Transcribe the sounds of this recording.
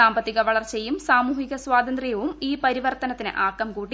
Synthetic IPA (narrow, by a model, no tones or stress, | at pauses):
aːmbɐt̪ːiɣɐʋɐɭɐrt͡ɕe̞jːumsaːmuːhiɣɐswaːd̪ɐnd̪rijɐʋumiːpɐɾiʋɐrt̪ɐnɐt̪ːinɨ̰ʔaːkːɐmkuːʈːi